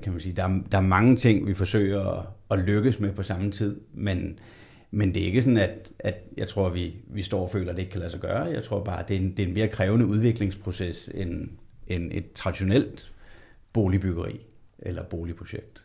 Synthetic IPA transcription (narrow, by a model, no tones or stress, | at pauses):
kʰæmænsiːd̥ɑ̈æɐd̥ɑ̈æɐmɑ̈ŋət͡sʰe̝ŋ̰ʋifɒ̽sø̰ɪ̰ɐɒ̽løɡ̥əsmepʰɒ̽sɑ̈m̩t͡sʰið̞̰ˠmen | mend̥e̝æe̝ɡ̥əsɒ̽næd̥æd̥jɑ̈ɪt͡sʰʁo̝ɐ̰ʋiʋisd̥ɒ̰ːɒfø̰ːlɐd̥e̝ɡ̥kʰælæsɐɡ̥ɶːɐjɑ̈ɪt͡sʰʁo̝ɐ̰b̥ɑ̈ːd̥e̝nd̥e̝e̝nme̝ːɐkʰʁɛːʊnəuð̞ˠʋe̝ɡ̥le̝ŋspʰʁo̝sesenene̝d̥̚t͡sʰʁɑ̈d̥iɕo̝nel̰d̥ | b̥o̝ːlib̥yɡ̥ɐʁḭː | ʔelɐb̥o̝ːlipʰʁoɕeɡ̥̚d̥